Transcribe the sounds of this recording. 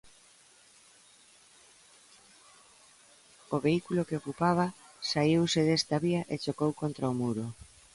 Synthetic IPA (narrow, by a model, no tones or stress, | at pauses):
oβeikulokeokupaβ̞ɐ | saiwseðest̪aβiaʔet͡ʃokowkont̪ɾaomuɾo